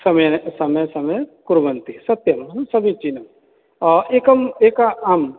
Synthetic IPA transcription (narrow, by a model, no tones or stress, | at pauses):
sɐmjsɐmɐjsɐmɐjkuɾʋɐnt̪isɐt̪jɐmnsɐbʱĩt͡ʃinɐm | ʔekɐmekaɐm